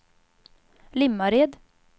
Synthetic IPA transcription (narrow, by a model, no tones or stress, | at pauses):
lɪmːaɾeːd̪